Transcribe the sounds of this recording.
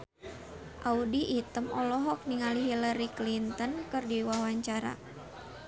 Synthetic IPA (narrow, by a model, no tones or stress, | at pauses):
ʔaudiʔit̪əmɔlɔɦɔk̚niŋaliɦiləɾiklint̪ənkɨrdiwahwaɲt͡ʃaɾa̰